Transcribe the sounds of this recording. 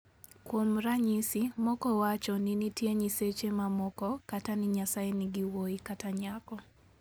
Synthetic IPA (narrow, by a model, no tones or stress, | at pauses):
kwomɾaɲisimɔkɔwat͡ʃɔninitjeɲiset͡ʃemamɔkɔkatanɪɲasaenɪɡiwoikataɲakɔ